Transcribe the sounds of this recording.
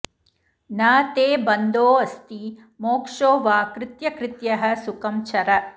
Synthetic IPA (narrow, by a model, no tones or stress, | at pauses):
naːt̪eːbɐnd̪oːɐst̪i | moːkʂoːʋaːkɾɪt̪jɐkɾɪt̪jɐɦɐ̆sukɐmt͡ʃʰɐɾɐ